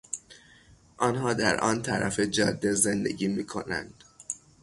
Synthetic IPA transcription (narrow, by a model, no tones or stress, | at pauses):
ʔɒːnɦɒːd̪æɾʔɒːnt̪ʰæɾʔæfed͡ʒɒːd̪ːezend̪e̞̰ɟiːmiːkʰo̞̰næ̰nd̪̥